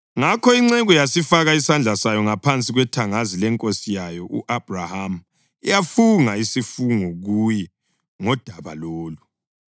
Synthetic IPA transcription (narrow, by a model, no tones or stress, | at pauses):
ŋakʰɔiŋ͡ǀɛɣujasifaɣaisand͡ɮʱasajɔŋapʰant͡sʼiɣwɛtʰaŋazilɛŋkʼosijajɔʔṵʔab̥raham̩ | ijafuŋaisifuŋuɣujɛ | ŋɔd̥ʱaβa̰loːlu